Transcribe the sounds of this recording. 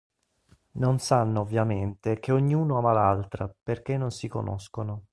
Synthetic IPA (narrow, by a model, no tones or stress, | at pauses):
nonsanːoovːjament̪ek̟eoɲːiuːnoaːmalalt̪ɾaperk̟enːonsiko̰nʔɔ̰skono